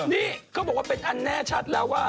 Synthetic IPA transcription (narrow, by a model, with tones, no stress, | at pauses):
niː˦˥˩kʰaː˦˥˩bɔː˨˩k̚waː˥pe˧nʔa˧nːɛː˥˩t͡ɕʰa˦˥t̪̚lɛː˦˥waː˥˩